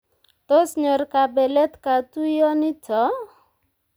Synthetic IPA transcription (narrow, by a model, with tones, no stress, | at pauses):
t̪o˦sɲo˨rka˨bɛ˨lɛ˦t̪ka˨tu˦jɔ˦nɪ˦tɔ˨˦